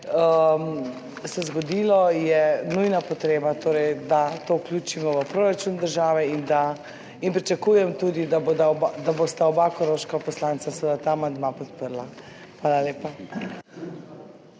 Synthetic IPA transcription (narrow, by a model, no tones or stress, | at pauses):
əm | sɛzɡɔd̪ilɔjɛnujnapɔt̪ɾeːbat̪oːɾɛjd̪at̪ouklʲuːt͡ʃimɔʋəpɾoːɾat͡ʃuːnd̪əɾʒaːʋɛind̪a | inpɾit͡ʃakuːjɛmt̪uːd̪id̪aboːd̪aɔbad̪abost̪aɔbakɔɾoʃkapɔslant̪sasəʋəd̪at̪aːmand̪mapɔt̪pəɾla | xʋaːlaleːpa